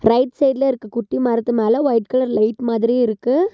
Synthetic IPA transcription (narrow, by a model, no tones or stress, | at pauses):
ɾɐɪʈsɛjd̪lɐɪɾɯkːɯkʊʈːimɐɾɐt̪ːɯmeːlɐʋɐɪʈ̚kɐlɐɾlɐɪʈmaːðɪɾiɪɾɯkːɯ